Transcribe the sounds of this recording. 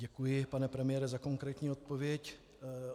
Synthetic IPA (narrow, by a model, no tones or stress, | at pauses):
ɟɛkujɪpanɛpɾɛmɪjɛɾɛzako̞ŋkɾɛːt̪ɲiːo̞t̪̚po̞vjɛc